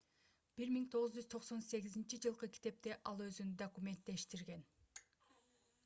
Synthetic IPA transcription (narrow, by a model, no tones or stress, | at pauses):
b̥iɾmiŋt̪ʰo̞ʁɯzd͡ʒyzt̪ʰo̞qso̞nse̞ɡizint͡ʃid͡ʒɯlˠqɯkʲʰi̥t̪e̞p̚t̪e̞ʔɑlˠø̞zynd̪okumʲe̞nt̪̚d̪e̞ʃt̪iɾɡe̞n